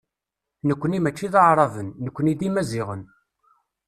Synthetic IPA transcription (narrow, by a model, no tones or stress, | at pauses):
nəkʷːənimæt͡ʃːiðəʕɾˤɑvənːəkʷːənid̪imæziʁən